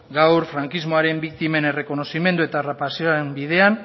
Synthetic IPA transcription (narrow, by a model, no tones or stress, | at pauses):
ɡawɾfɾaŋkizmo̞aɾe̞mbikt̪ime̞ne̞re̞ko̞no̞sime̞nd̪ue̞t̪aːrapasioembið̞e̞an